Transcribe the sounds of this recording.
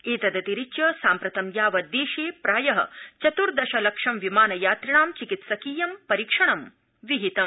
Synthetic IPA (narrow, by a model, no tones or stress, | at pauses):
eːt̪ɐd̪ɐt̪iɾit͡ʃjɐsaːmpɾɐt̪ɐmjaːʋɐd̪eːʃeːpɾaːjɐɦɐ̰̆t͡ʃɐt̪uɾd̪ɐʃɐlɐkʂɐmʋimaːnɐjaːt̪ɾɐɳaːmt͡ʃikit̪sɐkiːjɐmpɐɾiːkʂɐɳɐm | ʋiɦit̪ɐm